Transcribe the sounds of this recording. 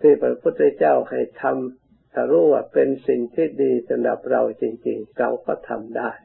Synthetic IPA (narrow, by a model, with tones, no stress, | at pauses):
t̪ʰiː˧˩pɾa˧pʰu˥˩t̪̚ːa˧˥t͡ɕaː˥˩wha˨˩jt̪ʰa˧m | t̪ʰa˧˩ɾuː˥˩waː˧˩pe˧nsi˨˩ŋt̪ʰiː˥˩diː˧sʰa˧nda̰˨˩p̚ɾa˧wt͡ɕi˧ŋt͡ɕi˧ŋka˧wkɔː˧˩t̪ʰa̰˧mdaː˥˩j